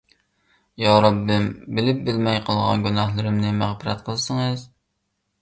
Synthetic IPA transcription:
jɑɾɑbːɪmbɪlɪp̚bɪlmɛjqʰəlˠʁɑ̰nɡʲynɑhlˠɨɾɪmnɪmæχpɪɾɛ̰t̪qʰəlˠsɨŋɨz

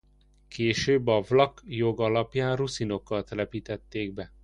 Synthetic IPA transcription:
kʰeːʃøːbːɒvlɒkjoɡɒlɒpjaːnrusino̞kːɒt̪ɛlɛpiːt̪ɛt̪ːeːɡ̚bɛ

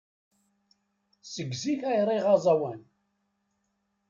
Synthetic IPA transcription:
səɡziçæjɾˤiʁɑzˤɑwæn

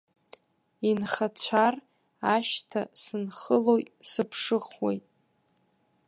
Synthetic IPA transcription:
inχat͡ɕʷʰar | aʃtʰasɨnχəlojtʼsɨpʰʂɨχwḛjtʼ

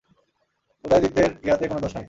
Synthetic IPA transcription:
pot̪ajd̪it̪ːeɾkiɦat̪ekonod̪ɔʃai

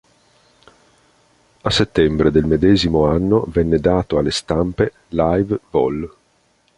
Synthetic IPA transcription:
asːet̪ːɛmbɾed̪elmed̪ɛːzimoanːovɛnːed̪aːt̪oalːest̪ampe | lajvvɔl

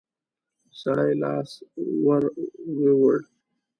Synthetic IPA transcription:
saɽajlɑ̰ːswaɾwewəɽ

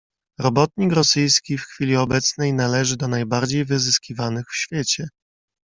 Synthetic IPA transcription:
ɾɔbɔt̪̚ɲikɾɔsɘjskʲifxfʲilʲiɔbɛt̪snɛjnalɛʐɘd̪ɔnajbaɾd͡ʑejvɘzɘskʲivanɘxfɕfʲjet͡ɕɛ

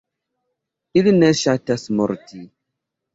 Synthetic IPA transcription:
ilnɛʃatasmɔɾti

